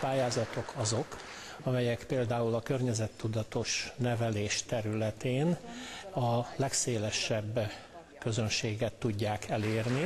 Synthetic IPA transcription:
paːjaːzɒt̪o̞kʰɒzo̞k | ɒmɛjɛkpeːld̪aːulɒkørɲɛzɛt̪ːud̪ɒt̪o̞ʃnɛvɛleːʃt̪ɛɾylɛt̪eːnɒlɛkseːlɛʃɛbː | kø̞zønʃeːɡɛt̪ːuɟːaːkʰɛleːrni

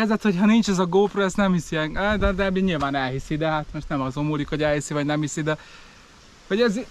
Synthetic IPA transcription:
ɛzɛt̪ho̞chɒnint͡ʃɛzɒɡoːproɛst̪nɛmhisiɛd̪ɛd̪ɛmiɲilvaːnɛlɦisid̪ɛɦat̪moʃt̪nɛmɒzomulikho̞ɟɛlɦisivɒɟnɛmhisid̪ɛ | vɒɟɛz

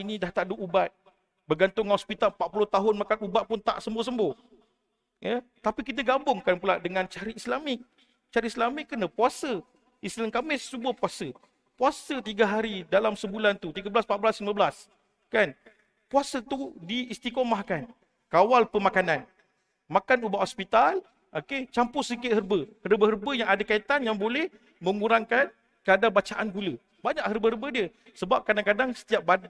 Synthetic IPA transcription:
inĩdaht̪aʔduʔubat̪̚ | bəɡant̪ʊŋhɔspit̪almpaʔpulʊht̪aɦʊnmakanubaʔ̪̚pʊnt̪a̰ʔsəmbʊs̬əmboh | jət̪apikit̪̬əɡambʊŋkanpulaʔdəŋãnt͡ʃaɾiislamɪk̚ | t͡ʃaɾiʔislamɪkːənəpuasə | islŋkamɪst͡ʃubahpuasə | puasət̪iɡaɦaɾidalamsəbulant̪ut̪iɡəbəlasmpaʔ̚bəlasliməbəlas | kan | puasət̪udiːst̪ikomahkan | kawalpəmakanan | makanubaʔhospit̪al | ʔoket͡ʃampʊsikɪt̪̚hərbəhərbəɦərbəjaŋadakait̪anjaŋbolɛh | mə̃ŋuɾaŋkan | kəadabat͡ʃaʔanɡulə | baɲaʔhərbəhərəbədiə | səbap̚kadaŋkadaŋsə̥t̪iap̚bad

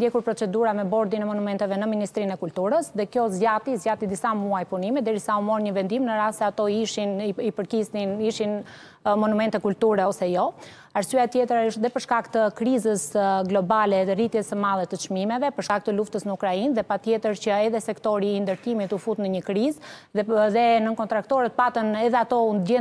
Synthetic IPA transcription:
d̪jɛkuɾpɾɔt͡sɛd̪uɾamɛbɔɾd̪inɛmɔnumɛnt̪ɛvɛnəminist̪ɾinɛkult̪uɾəsðɛkjɔzjat̪izjat̪id̪isamuajpunimɛd̪ɛɾisaumɔnɲəvɛnd̪imnəɾassɛat̪ɔʃinipəɾkisniʃin | mɔnumɛnt̪ɛkult̪uɾɛɔsɛjɔ | aɾsyat̪jɛt̪ɾaəʃt̪ðɛpəɾʃkakt̪əkɾizəsɡlɔbalɛðɛrit̪jɛsəmalˠɛt̪ət͡ʃmimɛvɛpəɾʃkak̚t̪əluft̪əsnəukɾainðɛpat̪jɛt̪əɾt͡ɕəɛðɛsɛkt̪ɔɾiːnd̪əɾt̪imit̪ufut̪nəɲəkɾiz | ðɛnənkɔnt̪ɾakt̪ɔɾət̪̚pat̪ənɛðɛat̪ɔund̪jɛ

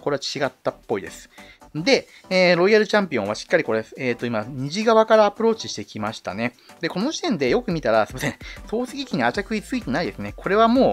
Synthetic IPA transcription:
ko̞ɾe̞at͡ɕiɡat̪ːapːo̞id̪e̞sɨ̥ | d̪e̞ | eːɾo̞ijaɾɯ̟t͡ɕãmpʲiõ̞βaɕi̥kːaɾʲiko̞ɾeeseːt̪ːoimaɲ̟iʑiɡaβakaɾaːpɯ̟ɾo̞ːt͡ɕi̥ɕi̥t̪e̞kʲimaɕi̥t̪a̰ne̞ | d̪e̞ko̞no̞ʑi̥t̪ẽ̞nd̪e̞jo̞kɯ̟mʲit̪aɾasɨmasẽso̞ːsɨɡʲikʲiɲ̟iat͡ɕakɯ̟it͡sɨit̪e̞naid̪e̞sɨne̞kʰo̞ɾe̞β̞amoː

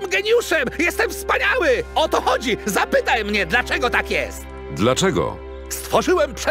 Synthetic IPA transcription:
mɡɛɲjuʂɛmjɛst̪ɛmfspaɲawɘɔt̪ɔxɔd͡ʑizapɘt̪ajmɲɛd̪lat͡ʂɛɡɔt̪akjɛ̰st̪ | d̪lat͡ʂɛɡɔ̰ | st̪fɔʐɘwɛmpʂɛ

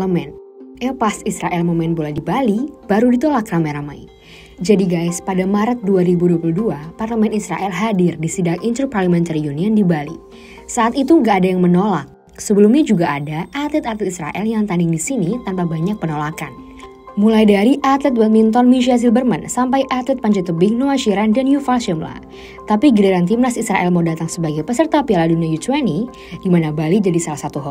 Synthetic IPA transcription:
əmɛn | ʔepasisɾaʔɛlmomɛnbolajdibalib̥aɾudit̪olakramajɾamaj | d͡ʒadiɡajspadamaɾət̪̚duaɾibuduapuluduaparləmɛnisɾa̰ʔɛlɦadɪrdisidaŋint̪uparləmɛnt̪aɾiuniəndibalḭ | saʔat̪it̪uŋɡaːdajaŋmənolak̚ | səbəlumɲad͡ʒuɡaʔːdaʔat̪lɛt̪at̪lɛt̪isɾa̰ʔɛljaŋt̪andɪŋdisinit̪anpabaɲak̚pənolakan | mulajdaɾiʔat̪lɛt̪̚wɛt̪̚mint̪ɔnmiʃias̬ilbərmansampajʔat̪lɛt̪̚paɲd͡ʒɛt̪əbɪŋnoaʃiɾandanjufalʃɛmla̰ | t̪apiɡidaɾant̪imnasisɾaʔɛlmaudat̪aŋsəbaɡajpəsərt̪apialaduniajut͡ʃwɛni | dimanabalid͡ʒadisalahsat̪uɦɔ

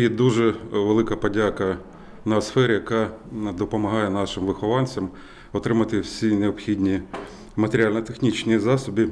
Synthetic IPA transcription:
jɛd̪uʒɛʋelˠɪkɐpɔdʲakɐ | nɐsfɛɾʲɪjɐkɑd̪ɔpɔmɐɦɑjɛnɑʃɪmʋɪxɔʋɑnʲt͡sʲɐm | ɔt̪ɾɪmɐt̪ɪwsʲineɔpxʲidʲnʲi | mɐt̪eɾʲɪalʲnɐt̪exnʲit͡ʃnʲizɑsɔbʲi

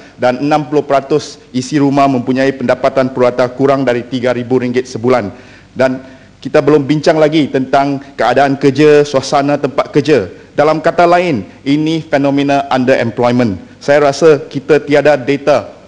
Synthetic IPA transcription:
danənãmpulʊhpəɾat̪ʊs | isiɾumahmə̃mpuɲãipəndapat̪anpəɾuat̪akuɾaŋdaɾit̪iɡaɾibuɾiŋɡɪt̪̚səbulan | dan | kit̪abəlʊmbiɲt͡ʃaŋlaɡit̪ənt̪aŋkəadaːnkəd͡ʒasuasanãt̪əmpat̪̚kəd͡ʒa | dalamkat̪alaɪn | inifɛnɔ̃mẽnaʔandəɾʔɛmplɔjmə̃nsajaɾasakit̪at̪iadadet̪a

